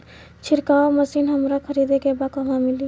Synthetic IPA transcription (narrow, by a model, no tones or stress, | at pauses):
t͡ʃʰiɾkaməsinɦəmɾakʰəɾid̪ekebakəmãmili